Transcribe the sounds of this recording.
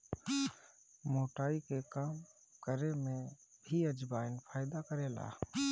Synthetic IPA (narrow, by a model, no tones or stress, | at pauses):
moːʈaːikekaːm | kəɾemẽbʱiəd͡ʒbaːɪnpʰaːɪd̪akəɾela̰ː